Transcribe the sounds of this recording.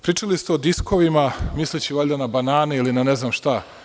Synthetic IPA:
pɾiːt͡ʂalist̪eod̪isko̞ʋimamislit͡ɕiʋaʎʲd̪anabanaːneilinaneznamʃt̪a

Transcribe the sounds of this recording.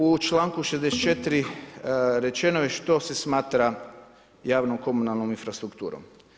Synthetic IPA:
ut͡ʃlaːŋkuʃezd̪eset̪t͡ʃet̪iɾi | ɾe̞t͡ʃe̞nojeʃt̪o̞se̞smaːt̪ɾa | jaːʋnomko̞munalˠnominfɾast̪ɾukt̪ṵːɾo̰m

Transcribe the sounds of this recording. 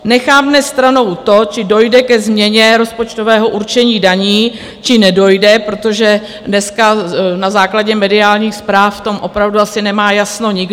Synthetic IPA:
nɛxaːmnɛst̪ɾano̞wt̪o̞t͡ʃɪdo̞jdɛkɛzmɲɛɲɛɾo̞spo̞t͡ʃt̪o̞vɛːɦo̞ʔuɾt͡ʃɛɲiːdaɲiː | t͡ʃɪnɛdo̞jdɛpɾo̞t̪o̞ʒɛ | dnɛskanazaːklaɟɛmɛdɪaːlɲiːxspɾaːfft̪o̞mʔo̞pɾavduasɪnɛmaːjasno̞ɲɪɡ

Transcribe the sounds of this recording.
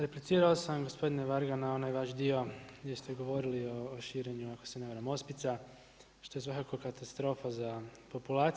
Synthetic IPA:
ɾeplit̪siːɾaosamɡo̞spo̞d̪ineʋaɾɡanao̞najʋaʃd̪io̞ɡd̪ʲjest̪e̞ɡo̞ʋo̞ɾilioːʃiːɾe̞ɲuako̥seneʋaɾamo̞spit̪sa | ʃt̪o̞jesʋakakokat̪ast̪ɾo̞ːfazapo̞pulaːt̪

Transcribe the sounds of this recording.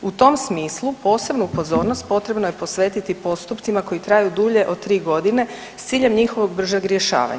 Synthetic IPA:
ut̪o̞msmiːslˠupo̞ːse̞bnuupo̞zo̞ːɾnost̪̚po̞t̪ɾe̞bnojepo̞sʋe̞ːt̪it̪ipo̞st̪upt̪imako̞jit̪ɾaːjud̪uʎe̞ʔo̞d̪̚t̪ɾiːɡo̞d̪ine̞ | st̪siːʎe̞mɲixo̞ʋo̞ɡ̚br̩ʒaɡɾje̞ʃa̰ːʋa̰ɲa

